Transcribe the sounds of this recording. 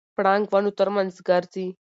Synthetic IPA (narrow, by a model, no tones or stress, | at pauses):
pɽãŋɡʋanut̪əɾmənsɡaɾt͡si